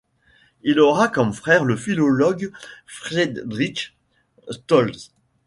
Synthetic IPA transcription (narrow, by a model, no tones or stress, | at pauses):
ilɔʁakɔmfχɛːʁləfilɔlɔɡfχed̪d̪ʁiʃ | st̪ɔlz